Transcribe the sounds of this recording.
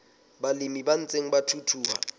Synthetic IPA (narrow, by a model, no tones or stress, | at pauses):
balimiban̩t͡sʼeŋ̩batʰutʰuːha̰